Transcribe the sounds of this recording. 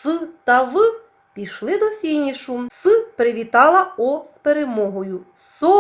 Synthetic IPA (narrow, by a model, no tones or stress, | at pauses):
sɨt̪ɐʋɨ | pʲiʃlˠɪd̪ɔfʲinʲiʃʊsɨpɾɪʋʲit̪ɑlˠɐɔspeɾemɔɦɔjʊ | sɔ